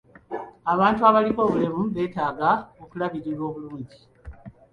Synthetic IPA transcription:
aβaːntuaβaliko̞ːβulemuβe̞ːtaːɡaokulaβiɾiɾwo̞ːβuluːɲɟi

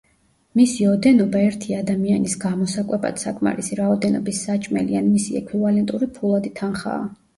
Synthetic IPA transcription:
misiɔd̪ɛnɔbaɛɾt̪ʰiad̪amianisɡamɔsakʼwɛba̰d̪̥sakʼma̰ɾisiɾaɔd̪ɛnɔ̰bisːat͡ʃʼmɛ̰lḭanmisiɛ̰kʰwivalɛnt̪ʼuɾipʰulˠad̪it̪ʰanχa̰ː

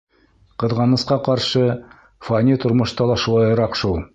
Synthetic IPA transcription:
qɤ̆ðʁɑnɤ̆sqɑqɑɾʃɤ | fanʲit̪ŏɾmŏʃt̪ɑlˠɑʃulˠɑjɤ̆ɾɑqʃulˠ

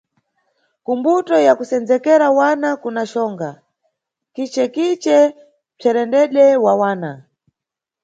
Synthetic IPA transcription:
kumbutɔjakusɛnd͡zɛkɛɾawanakunaʃɔːŋɡa | kit͡ʃɛkit͡ʃɛ | b͡ʐʰɛɾɛndɛɗɛwawaːna

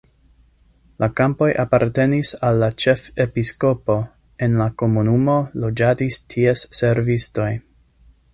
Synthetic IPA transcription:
lʔakampo̞jʔapaɾte̞nisalːat͡ʃe̞fepisko̞po̞ | e̞nlako̞munumo̞lo̞d͡ʒatistʰiesːe̞ɾvisto̞j

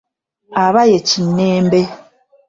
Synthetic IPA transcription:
aβajet͡ʃinːeːmbe

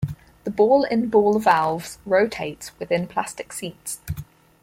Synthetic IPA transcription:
ðəbɔːlɪ̃nbɔːlˠəvalˠvz̥ɹəʊtʰeɪtswɪðɪ̃npʰl̥a̰stɪksiˑts

